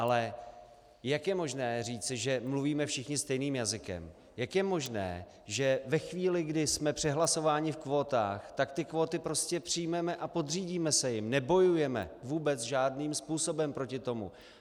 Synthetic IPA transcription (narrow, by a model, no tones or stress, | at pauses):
ʔalɛ | jakjɛmo̞ʒnɛːriːt͡sɪʒɛmluviːmɛfʃɪxɲɪst̪ɛjniːmjazɪkɛ̰m | jakjɛmo̞ʒnɛ̰ː | ʒɛvɛxviːlɪɡdɪsmɛpr̝̥ɛɦlaso̞vaːɲɪfkvo̞ːt̪a̰ːxt̪akt̪ɪkvo̞ːt̪ɪpɾo̞scɛpr̝̥ɪjmɛmɛʔapo̞d̪riːɟiːmɛsɛjɪmnɛbo̞jujɛmɛ̰vuːbɛt͡sʒaːdniːmspuːsobɛmpɾo̞cɪt̪o̞mṵ